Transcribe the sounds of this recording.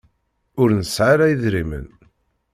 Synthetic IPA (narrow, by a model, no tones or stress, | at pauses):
ʊɾnəsʕaɾajiðɾimə̰n